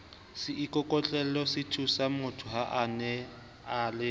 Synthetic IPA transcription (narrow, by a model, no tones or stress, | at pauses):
sɪʔikʼɔkʼɔt͡ɬʼɛlɔsɪtʰusamʊtʰʊɦaʔanɛ | alɪ